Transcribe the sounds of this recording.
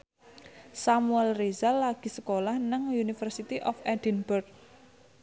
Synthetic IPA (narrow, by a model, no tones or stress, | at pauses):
samuɛlrezalːaɡ̥i̤səkolahnaŋunifərsit̪iʔɔfɛdinbʊrk̚